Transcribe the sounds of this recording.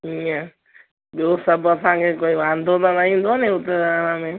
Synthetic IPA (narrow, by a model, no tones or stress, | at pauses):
ɦiːã | ɓjoːsəbɐsãːkʰeːkoːiʋãːnd̪od̪anaɦĩːnd̪ʱonẽːʊt̪eaːnãːmẽː